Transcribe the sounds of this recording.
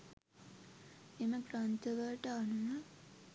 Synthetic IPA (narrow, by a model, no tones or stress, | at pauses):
eməɡrant̪əʋəʈəanuʋə